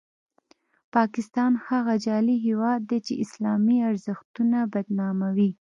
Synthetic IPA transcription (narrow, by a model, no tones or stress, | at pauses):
pɑkɪst̪ɑnhaɣad͡ʒɑliɦewɑd̪ːet͡ʃeɪslɑmiaɾzəxt̪unabad̪nɑmawi